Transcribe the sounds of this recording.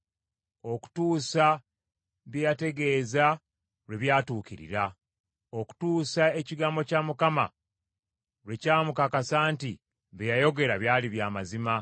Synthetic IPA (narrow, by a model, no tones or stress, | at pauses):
o̞ku̥tuːsa | βjate̞ɡe̞ːza | ɾeβjaːtuːciɾḭɾa | o̞ku̥tuːsae̞ciɡaːmbo̞caːmukama̰ | wecaːmukakasaːnti | βejajo̞ɡe̞ɾaβjaːliβjaːmazima